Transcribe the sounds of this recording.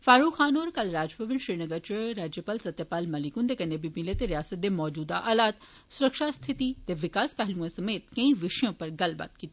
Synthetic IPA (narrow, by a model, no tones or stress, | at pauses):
faːɾuːkxaːnoːɾkɐlɾaːd͡ʒpɐʋɪ̃nʃɾiːnɐɡəɾt͡ʃɐɾaːd͡ʒjəpaːlsɐt̪jəpaːlmɐlikũnd̪ekɐ̃nd̪ebibilet̪eɾijaːsət̪̚d̪emɔːd͡ʒuːd̪aʔaːlaːt̪ | sʊɾəkʃast̪ʰɪt̪it̪eʋɪkaːspɛɦlũẽsɐmeːt̪̚kɐ̃ĩʋɪʃjõpɐɾɡɐlba̰ːt̪̚kiːt̪i